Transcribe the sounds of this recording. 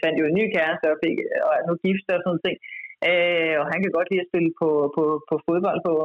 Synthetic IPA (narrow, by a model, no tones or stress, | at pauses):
fæn̰d̥jo̝enːy̰ːkʰæɐsd̥ɒfe̝ɡ̥ɒ̽ænuɡ̥ifd̥ɒsɔ̽nð̩ˠt͡sʰe̝ŋ̰ʔøɒ̽ɦænkʰæɡ̥ɒ̽d̥liːɒsb̥e̝ləpʰɒ̽pʰɒ̽pʰɒ̽fo̝ðˠb̥ɒ̽l̰d̥pʰɒ̽